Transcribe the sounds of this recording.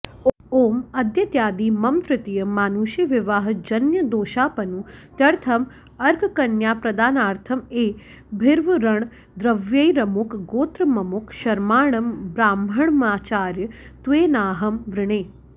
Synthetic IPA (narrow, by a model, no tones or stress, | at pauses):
oːmɐd̪jɐt̪jaːd̪iːmɐmt̪ɾɪt̪ijɐmaːnuʃjɐʋɪʋaːɦɐ̆d͡ʒɐnjɐd̪oːʃaːpɐnut̪jɐɾt̪ʰɐm | ɐɾɡkɐnjaːpɾɐd̪aːnaːɾt̪ʰɐmeː | bʱɪɾʋɐɾɐɳ̃ | d̪ɾɐʋjɐjɾɐmukɡoːt̪ɾɐmɐmukʃɐɾmaːɳɐmbɾaːmbʱɐɳ̃maːt͡ʃaːɾjɐt̪ʋeːnaːɦɐmʋɾɪɳ̃eː